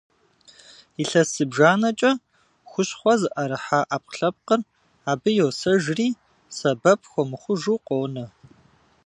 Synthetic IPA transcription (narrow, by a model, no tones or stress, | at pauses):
iɬɐsɨbʒaːnɐt͡ʃʼɐ | xʷʊɕχʷɔzɨʔɐɾɨħaːʔaːp̚ɬɐp̚qər | aːbɨjowsɐʒriː | sɐbɐp̚ʰxʷɔmɨχʷʊʒuːqʷʼoːnɐ